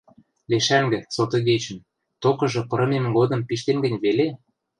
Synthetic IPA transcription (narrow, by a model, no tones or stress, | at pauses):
leʃæŋɡɘ̆sot̪ɤ̆ɣet͡ɕə̆n | t̪okɤ̆ʒɤ̆pɤ̆ɾɤ̆memɡod̪ɤ̆mpiʃt̪enɡə̆nʲβele